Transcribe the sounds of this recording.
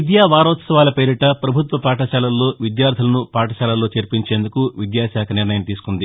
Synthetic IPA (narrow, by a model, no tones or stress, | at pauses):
id̪jaːʋaːɾɔːt̪sɐʋaːlɐpeːɾiʈɐpɾɐbʱut̪ʋɐpaːʈɐʃaːlɐlːo̞ːʋid̪jaːɾd̪ʰʱilɐnupaːʈɐʃaːlɐlːo̞ːt͡ʃeɾpiɲt͡ʃe̞ːnd̪ukuʋid̪jaːsaːkʰɐniɾnɐjɐmt̪iːsu̥kund̪i